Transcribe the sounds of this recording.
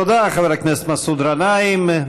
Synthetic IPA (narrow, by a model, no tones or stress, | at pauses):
ɔd̪aχavɛɾaknɛst̪masud̪ɾanajɪm